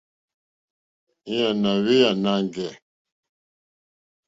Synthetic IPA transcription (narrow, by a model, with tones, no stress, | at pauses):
i˦ja˨na˨ɣe˦ja˨na˦ŋ˨ɡɛ˨